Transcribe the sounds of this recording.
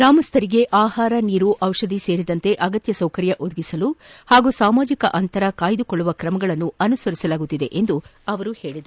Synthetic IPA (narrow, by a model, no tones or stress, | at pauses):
ɾaːmɐst̪ʰɐɾiɡe̞ʔaːhaːɾɐniːɾuʔɐwʂɐd̪ise̞ːɾid̪ɐnt̪e̞ʔɐɡɐt̪jɐsɐwkɐɾjɐʔod̪ɐɡisɐluhaːɡusaːmaːd͡ʒikɐ̰ʔɐnt̪ɐɾɐkaːjd̪ukoɭːuʋɐkɾɐmɐɡɐɭɐnːuɐnusɐɾisɐlaːɡut̪ːid̪e̞ʔend̪uɐʋɐɾuhe̞ːɭid̪ɐ